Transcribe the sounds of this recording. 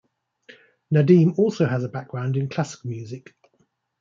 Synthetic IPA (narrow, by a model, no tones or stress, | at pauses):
nədĩːmɔˑlˠsəʊəzəbak̚ɡ̥ɹãʊ̃ndɪ̃nkʰl̥asɪ̥k̚mjʉːzɪk